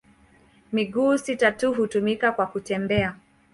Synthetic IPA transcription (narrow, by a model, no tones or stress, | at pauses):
miɡuːsitatuɦutumikakwakutɛmbɛa